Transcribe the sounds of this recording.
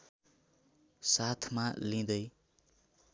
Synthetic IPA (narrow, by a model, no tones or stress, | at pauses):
sat̪ʰmalĩd̪ʌj